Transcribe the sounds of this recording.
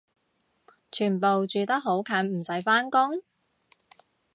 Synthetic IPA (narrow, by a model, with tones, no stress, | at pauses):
t͡ʃʰyː˨˩npo˨wt͡ʃyː˨t̪ɐ˥k̚ɦo˨˥wkʰɐː˨˥nm̩˨˩sɐ˨˥jfaː˥nkʊ˥ŋ